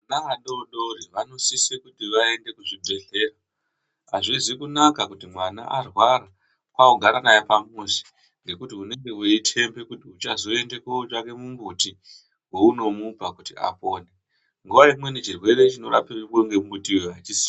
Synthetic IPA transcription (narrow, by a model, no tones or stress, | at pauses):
naʋaɗoɗoɾiʋano̞sisekutiʋae̞nde̞kuʐibʱe̞ɮe̞ra | aʐizikunakakutimwana̰ʔarwaɾa | kwaoɡʱaɾanajepamusi̥ | ŋɡe̞kutiune̞ŋɡeweitʰe̞mbe̞kutiut͡ʃazo̞e̞nde̞kout͡ʃake̞mumbuti | wouno̞mupakutia̰poːne | ŋɡuʋaimwe̞nit͡ʃirwe̞ɾe̞t͡ʃino̞ɾa̰pirikoŋɡe̞mumutiweat͡ʃisi